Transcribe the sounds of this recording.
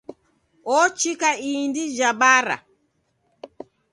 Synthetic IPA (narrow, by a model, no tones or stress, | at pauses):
ʔɔt͡ʃikaiːndid͡ʒabaːɾa̰